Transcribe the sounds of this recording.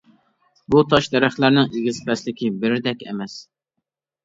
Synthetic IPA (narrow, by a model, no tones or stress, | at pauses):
but̪ʰɑʃd̪ɛɾæχlæɾnɪŋiɡʲizpɛslɪkʲibɪɾɪd̪ɛkʲɛ̰mɛs